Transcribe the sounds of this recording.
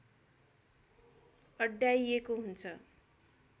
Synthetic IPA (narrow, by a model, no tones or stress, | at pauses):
ʌɖːjajekoɦunt͡sʰʌ